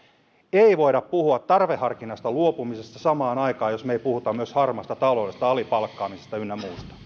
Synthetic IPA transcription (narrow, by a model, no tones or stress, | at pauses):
eiʋoiɾɑppuhuɑt̪tɑrʋehɑrkinɑst̪ɑluopumisest̪ɑsɑmɑːnɑikɑːjosmeipuhut̪ɑmyøshɑrmɑst̪ɑt̪ɑloˑːdest̪ɑɑlipɑlkːɑːmisest̪ɑynːæmuːst̪ɑ̥